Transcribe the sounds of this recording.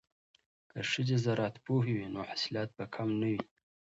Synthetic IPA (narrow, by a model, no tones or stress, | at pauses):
kəʂəd͡ʒezaɾɑt̪poɦiwinoħḁsɪlɑt̪̚bakʰamnawi